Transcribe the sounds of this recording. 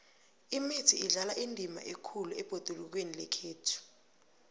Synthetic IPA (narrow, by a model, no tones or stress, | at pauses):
imetʰiiɮalaʔindʱima̰ʔekʰuluɛb̥ʱod̥ʱuluk̬wenilɛkʰeːtʰu̥